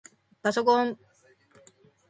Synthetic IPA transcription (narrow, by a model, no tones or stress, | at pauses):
pasok̬õm